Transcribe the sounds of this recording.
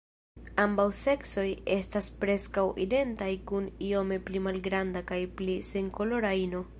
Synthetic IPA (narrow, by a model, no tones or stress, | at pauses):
ambawse̞kso̞je̞staspɾe̞skawʔḭde̞ntajkunio̞me̞plimalɡɾandakajplise̞ŋko̞lo̞ɾaino̞